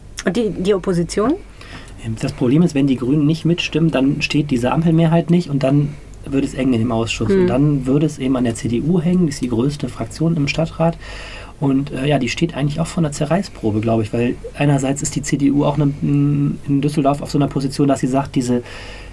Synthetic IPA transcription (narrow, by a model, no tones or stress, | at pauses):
ʔʊntd̥idiːopʰozit͡sjoːn | ʔeːmd̥aspʁ̥obleːmɪstv̥ɛndiːɡʁyːnənːɪçtmɪtʃtɪməndanʃteːt̚d̥iːzəʔa̰mpl̩meːɐɦaɪtnɪçtʊnt̚d̥an | vʏɐɾəɛsʔɛŋənɪndeːmʔaʊsʃʊsʊntd̥anvʏɐɾəɛsʔeːbm̩andeːɐt͡seːdeʔuːɦɛŋəndiːɪstd̥iːɡʁøːstəfʁ̥akt͡sjoːnɪmʃtatʁ̥aːt | ʔʊntʔɛːjaːdiːʃteːtʔa̰ɪŋ̩tlɪçaʊxfoːɐnɐt͡sɛɐʁaɪspʁ̥oːbəɡlaʊbəɪçv̥aɪlʔaɪnɐzaɪt͡sɪstd̥iːt͡seːdeʔuːa̰ʊxnə | ɪndʏsl̩dɔɐfaʊfz̥oːnɐpʰozit͡sjoːndasz̥iːzaːkt̚d̥iːzə